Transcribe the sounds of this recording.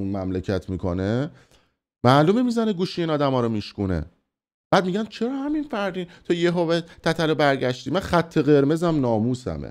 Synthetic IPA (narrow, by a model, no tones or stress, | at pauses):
unmæmlecʰæt̪ʰmikʰo̰ne | mæːlumemizæneɡuːʃiiːnɒːd̪æmɒːɾomiʃkunḛ | b̥æːd̪̚miɟænt͡ʃʰeɾɒːhæminfæɾd̪iːnt̪ʰɒjeɦovet̪ʰæt̪ʰælobæɾɟæʃt̪iːmænxæt̪ʰːe̞ɣe̞ɾme̞zæmnɒːmuːsæ̰mḛ